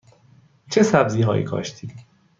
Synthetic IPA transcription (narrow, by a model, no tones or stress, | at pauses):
t͡ʃʰe̞sæbziːɦɒːʔḭːkʰɒ̰ːʃt̪ʰiːd̪